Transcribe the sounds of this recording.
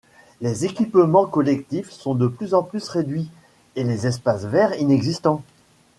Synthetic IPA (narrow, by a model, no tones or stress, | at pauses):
lezekʲipmɑ̃kɔlɛk̚t̪ifsɔ̃d̪əplyzɑ̃plysʁed̪ɥi | elezɛspasvɛʁinɛɡzist̪ɑ̃